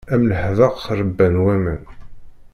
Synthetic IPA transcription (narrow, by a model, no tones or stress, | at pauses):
æmnəħðəʁθrˤəbːænwæmə̰n